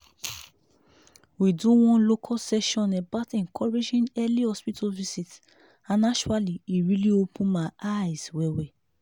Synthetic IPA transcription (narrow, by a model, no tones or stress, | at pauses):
widuwɔ̃nlokʰɔsɛʃɔ̃nɛbatɛ̃nkʰɔɹed͡ʒĩnɛlihɔspitʰovisit | ãnat͡ʃualiiɹiliopʰũnmaajzwɛwɛ